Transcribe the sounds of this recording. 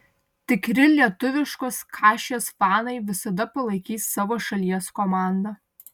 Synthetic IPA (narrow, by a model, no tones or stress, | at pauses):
t̪ʲɪkɾʲɪlʲiɛt̪ʊʋʲɪʃkoːskʰɑːʃʲesfɑːnɐɪʋʲɪsɐd̪ɐpɐlˠɐɪkʲiːsːɑːʋoːʃɐlʲiɛskomand̪ɐ